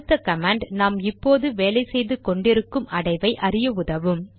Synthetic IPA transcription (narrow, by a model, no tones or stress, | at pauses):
t̪ːɐkɐmaːɳɖnaːmɪpːoːðɯʋeːlɐɪsɛjðɯkɔɳɖɪɾɯkːɯmʔɐɽɐɪʋɐɪʔɐɾɪjɐʊðɐʋɯm